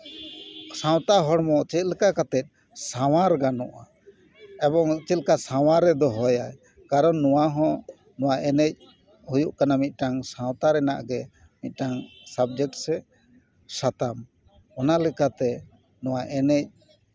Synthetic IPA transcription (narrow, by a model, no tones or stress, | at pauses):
sãw̃t̪aɦɔɽmɔt͡ʃɛt̪̚ˀlɛkakat̪ɛt̪̚ | saw̃aɾɡanɔʔa | ɛbɔŋt͡ʃɛt̪kasaw̃aɾɛd̪ɔɦɔjaj | kaɾɔnːɔwaɦɔ̃ | nɔwaʔɛnɛc̚ | hujuʔkanamit̪̚ˀʈaŋsãw̃t̪aɾɛna̰ʔɡɛ | mit̪̚ˀʈaŋsabd͡ʒɛk̚ʈsɛ | sat̪am | ɔnalɛkat̪ɛ | nɔwaʔɛnɛc̚